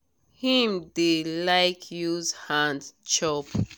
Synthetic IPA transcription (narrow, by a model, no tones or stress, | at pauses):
hĩmdilajkʰjuzhãndt͡ʃop